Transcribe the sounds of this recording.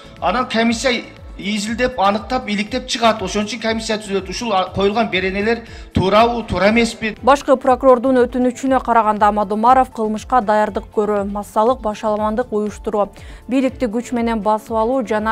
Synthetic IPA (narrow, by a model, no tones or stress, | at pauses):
ɑnɑnkʰomʲisʲːija | izild̪e̞pɑnɯq̚t̪ɑpilik̚t̪e̞p̚t͡ʃʰɯʁɑt̪o̞ʃo̞nut͡ʃʰyŋkʰomʲisʲːjat̪ʰyzøt̪uʃulˠqʰo̞julˠʁɑnbe̞ɾe̞ne̞le̞ɾ | t̪ʰuːɾɑut̪ʰuɾɑme̞spibɑʃqɯpro̞kuro̞rd̪unøt̪ynyt͡ʃynø̞qʰɑɾɑʁɑnd̪ɑmɑd̪umɑɾo̞fqʰɯlˠmɯʃqɑd̪ɑjɑɾd̪ɯq̚køɾømɑsːɑlˠɯq̚bɑʃɑlˠɑmɑnd̪ɯqujuʃt̪uɾuː | bijlik̚t̪iɡyt͡ʃme̞ne̞nbɑsɯwɑlˠuːd͡ʒɑnɑ